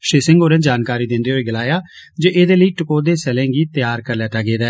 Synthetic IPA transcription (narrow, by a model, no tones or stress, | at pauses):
ʃeːsɪ̃ŋɡoːɾɛ̃ːd͡ʒaːnkaːɾiːd̪ɪ̃nd̪eːɦoiːɡəlaːjaːd͡ʒoːʔeːd̪eːləiːʈɪkoːd̪eːsɛlɛ̃ːɡiːt̪ɪjaːɾkəɾlɛːʈəːɡeːd̪ɛː